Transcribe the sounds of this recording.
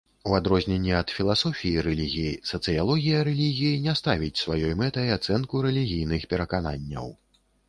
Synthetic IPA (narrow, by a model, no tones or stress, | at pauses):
uad̪ɾɔzʲnʲɛnʲːɛɐt̪fʲilˠasɔfʲijiɾɛlʲiɣʲijisɐt̪sɨjalˠɔɣʲijɐɾɛlʲiɣʲijinʲast̪avʲit͡sʲsvajɔjmɛt̪ɐiat̪sɛnkuɾɛlʲiɣʲijnɨxpʲɛɾɐkana̰nʲːɐ̰w